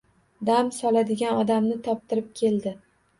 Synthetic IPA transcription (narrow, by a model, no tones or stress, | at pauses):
d̪amsɒlad̪ɪɡʲanɒd̪amnɪt̪ʰɒp̚t̪ɪɾɪp̚kʲʰe̞ld̪ɪ